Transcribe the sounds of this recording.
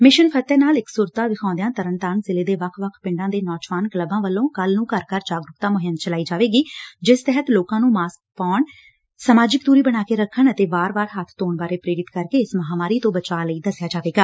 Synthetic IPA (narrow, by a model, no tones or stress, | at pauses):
mɪʃənpʰət̪ːɛːnaːlɪksʊɾt̪aːʋɪkʰãːd̪ɪjãːt̪əɾənt̪əɾnzɪleːd̪eːʋəkʰʋəkʰpɪ̃ɳɖãːd̪eːnɔːd͡ʒʋaːnkləbãːʋəlːõːkəlnũːkəɾkəɾd͡ʒaːɡɾʊkt̪aːmʊɦɪmt͡ʃəlaːiːd͡ʒaːʋeːɡiːd͡ʒɪst̪ɛɦət̪loːkãːnũːmaːsk̚paːɳ | səmaːd͡ʒɪkd̪uːɾiːbəɽ̃aːkeːɾəkʰːəɳət̪eːbaːɾbaːɾɦət̪ʰt̪oːɳbaːɾeːpɾeːɾɪt̪kəɾkeːɪsməɦaːmaːɾiːt̪õːbət͡ʃaːləiːd̪əsɪjaːd͡ʒaːʋeːɡaː